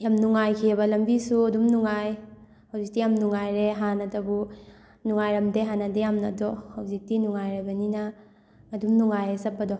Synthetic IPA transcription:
jamnuŋajkʰiebɐlɐmbisuɐdumnuŋaj | hɐwzik̚tijamnuŋajɾeɦanɐdɐbu | nuŋajɾɐmdeɦanɐdejamnɐ̰dɔhɐwzik̚tinuŋajɾabɐninɐː | dumnuŋajesɐp̚ːɐdɔ

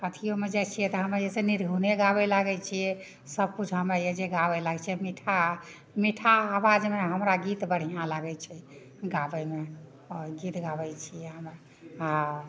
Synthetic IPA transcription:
kət̪ʰijomed͡ʒɛt͡ʃʰijɛt̪ɔɦəmejeseniɾɡʱuneɡabɛlaɡɛt͡ʃʰijɛ | səb̚kud͡ʒʰɦəmɾejed͡ʒeɡabɛlaɡt͡ʃʰijɛmiʈʰa | miʈʰaːbad͡ʒmeɦəmɾaɡit̪bəɽ̤ijãlaɡɛt͡ʃʰɛ | ɡabɛme | ɔɡit̪ɡabɛt͡ʃʰijɛɦəm | ɦã

